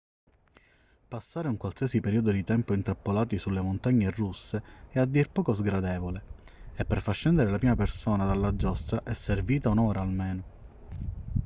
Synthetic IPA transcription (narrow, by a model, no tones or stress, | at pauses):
pasːaːɾeuŋkwalsiːasipeɾiːod̪od̪it̪ɛmpoint̪ɾapːolaːt̪isulːemont̪aɲːerusːeɛad̪ːirpɔːkozɡɾad̪ɛːvole | epːerfat͡ʃːɛnd̪eɾelapɾiːmapersoːnad̪alːad͡ʒːɔst̪ɾaʔɛsːerviːt̪aunɔːɾaːlmeːno